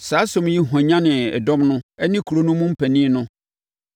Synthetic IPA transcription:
saː˨˦sɔ̃˨mji˦ɦɔ̃˨ɲã˦nɪ̃˨ɛ̰˨dɔ˦mnʊ̃˦ɛ˦nɪ̃˦kʰu˨ɾo˨nʊ̃˦mʊ̃˦m̩˦pʰæ˨nĩ˦nʊ̃˦

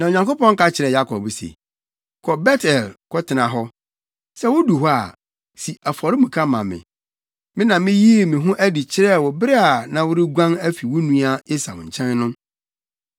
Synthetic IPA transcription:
nã˨ɲã˨ŋko˦pɔ̃˦ŋ̩˦ka˦t͡ɕʰɪ˨ɾɛ˨ja˦kʰɔ̰˨bsḛ˨ | kʰɔ˨bɛ˦tʰɛ˨lkʰɔ˦tʰɪ˨nã˨ɦɔ˦ | sɛ˦wʊ˦du˨ɦɔ˦a̰˨ | si˨a˨fɔ˨ɾɪ˦mũ˨kʰa˦mã˨mɪ̰̃˨ | mɪ̃˦nã˨mɪ̃˦ji˦e˦˨mɪ̃˨ɦʊ̃˦ʔæ˦di˨t͡ɕʰɪ˦ɾɛ˦˨wɔ˨bɪ˦ɾɛ˦a˨nã˨wʊ˦ɾɪ˦ɡʷã˦næ˦fi˨wʊ˦nũ˦a˦e˦sa̰˨ɲ̩˨t͡ɕʰɛ̃˦nnʊ̃˦

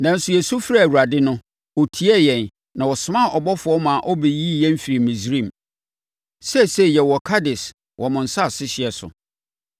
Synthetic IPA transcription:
nã˨n̩˦sʊ˨jɛ˨su˦fɾa˦˨wu˨ɾa˨dɪ˦nʊ̃˦ | wɔ˨tʰi˦ɛ˦˨jɛ̃˨n | nã˨wɔ˨sʊ˨˦mã˦˨ʔɔ˨bɔ˦fʊ˨˦ɔ˦mã˨ʔɔ˦be˨ji˦˨jɛ̃˦m̩˦fi˨ɾi˨mĩ˨sɾĩ˦˨m | sɛ˦˨sɛ˦˨jɛ˨wɔ˨kʰa˦dɪ˨s | wʔɔ˨mʊ̃˨n̩˨sa˦˨sɪ˦ɕɪ˨ɛ˨sʊ̰˨

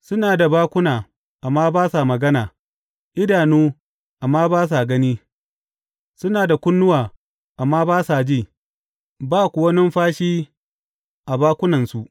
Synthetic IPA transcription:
sʊ˦naː˨da˨baː˦kʷʊ˦naː˨ | ʔa˨mːaː˦baː˦sa˨mɐ˨ɡɐ˦naː˨ | ʔɪ˦daː˨nuː˦ | ʔa˨mːaː˦baː˦s̬a˨ɡɐ˦niː˦ | sʊ˦naː˨da˨kʷʊ˦nːʊ˦waː˨ | ʔa˨mːaː˦baː˦sa˨d͡ʒiː˦˨ | baː˦˨kʷʊ˨wɐ˦nɪ˦mɸaː˦ʃiː˦ | ʔa˨baː˦kʷʊ˦nɐ˨nsu˨ʔ

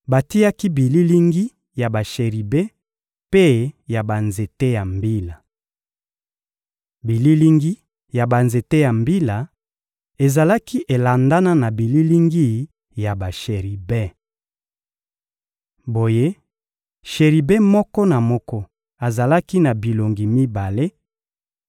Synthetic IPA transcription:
ba˨ti˦ja˦ki˦bi˨li˦li˦ŋɡi˦ | ja˨ba˨ʃe˨ʁi˨be˦ | pe˦ja˨ba˨nze˨te˦ja˨mbi˦la˨ | bi˨li˦li˦ŋɡi˦ | ja˨ba˨nze˨te˦ja˨mbi˦la˨ | e˨za˨la˦ki˦ʔe˨la˨nda˦na˦na˨bi˨li˦li˦ŋɡi˦ | ja˨ba˨ʃe˨ʁi˨be˦ | bo˨je˦ | ʃe˨ʁi˨be˦mɔ˦kɔ˦na˨mɔ˦kɔ˦ | a˨za˨la˦ki˦na˨bi˨lo˨ŋɡi˨mi˦ba˨le˦

